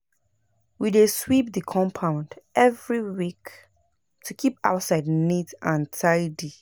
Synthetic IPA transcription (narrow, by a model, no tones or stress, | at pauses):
wideswip̚ðəkʰɔ̃mpʰãʊ̃ndʔɛvɹiwik | tʰukʰipa̰ʊtsaɪdnitãntʰaɪdi